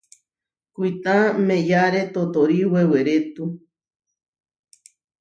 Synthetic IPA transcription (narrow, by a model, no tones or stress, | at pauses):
kuit̪ãmẽjaɾet̪ot̪oɾiweweɾet̪u